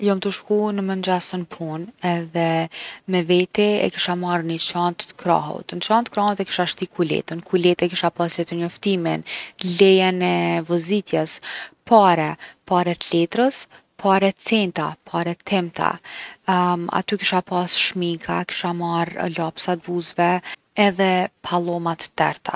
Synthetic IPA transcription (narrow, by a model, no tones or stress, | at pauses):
jɔmt̪əʃkunəmənd͡ʒasənpʰunɛðɛmɛvɛt̪iɛ̰kiʃamaɾnət͡ʃant̪kɾa̰ɦṵt̪nt͡ʃant̪kɾahut̪ɛki̥ʃaʃt̪ikulɛ̰t̪ənkulɛt̪ɛkiʃapasjɛt̪əɾɲɔft̪iminlɛjɛnɛvɔzit̪jɛspʰaɾɛpaɾɛt̪lɛt̪ɾəs | pʰaɾɛt͡sɛnt̪a̰pʰaɾɛt̪ʰɛmt̪a̰ | a̰t̪ykiʃapasʃmikʰaki̥ʃamaɾlapsat̪̚buzvɛ | ɛðɛpʰalˠɔmat̪ːɛɾt̪a̰